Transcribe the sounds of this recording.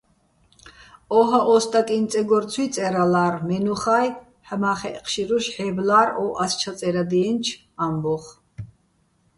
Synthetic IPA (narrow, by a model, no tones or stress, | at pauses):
ɔɦaʔɔst̪ʼakʼint͡sʼɛɡɔɾt͡sʰwit̪t͡s̪ʼɛɾalaːɾmɛnuχaːj | ħmaχɛʔqʰʃiɾuʃħɛblaːɾɔʔast͡ʃʰat͡sʼɛɾad̪iɛnt͡ʃʰ | ambɔχ